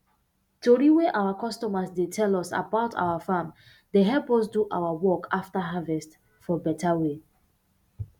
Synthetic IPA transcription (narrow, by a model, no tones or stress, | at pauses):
toɹiweʔawakɔstɔmasdetʰɛlɔsa̰baʊtʰa̰wafãm | deɦɛlpɔsduʔa̰wawɔkʰaftaɦavɛst | fɔbɛtʰawe